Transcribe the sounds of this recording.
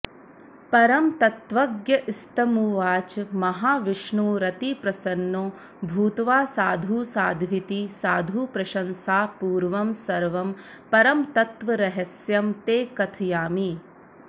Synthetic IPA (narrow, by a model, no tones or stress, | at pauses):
pɐɾɐmt̪ɐt̪ʋɐɡjɐʔist̪ɐmuːʋaːt͡ʃmɐɦaːʋiʂɳuːɾɐt̪ipɾɐsɐnːoː | bʱuːt̪ʋaːsaːd̪ʱuːsaːd̪ʱʋit̪isaːd̪ʱuːpɾɐʃɐnsaːpuːɾʋɐmsɐɾʋɐm | pɐɾɐmt̪ɐt̪ʋɐɾɐɦɐsjɐmt̪eːkɐt̪ʰɐjaːmi